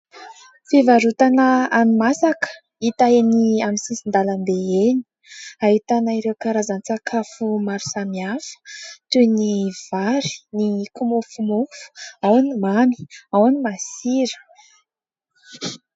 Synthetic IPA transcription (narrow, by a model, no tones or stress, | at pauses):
fivaɾut̪anəanimasakə̥ | it̪aeniaminsisind̪aland̪eeni̥ | aɦit̪anaiɾewkaɾazanit͡sakʰafumaɾu̥samiafə̥t̪univ̥aɾi̥nikumufumufu̥awanimami̥awanimasiɾə̥